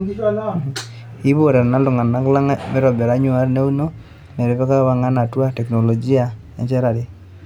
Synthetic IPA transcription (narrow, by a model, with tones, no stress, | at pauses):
i˦bo˦˨ɾɛ˨ɾna˦lʊ˨ŋa˨na˨˦kla˦ŋ˦mɪ˦ɾɔ˨bɛ˨ɾa˨˦ɲu˦a˦ɾne˦u˦no˦ | mɛ˨ɾɛ˨pɛ˦ka˦wa˦ŋa˦na˨twa˦tɛ˨kno˨lo˨d͡ʒi˦a˦ | ɛ̰˨t͡ʃɛ˦ɾa˨dɪ˦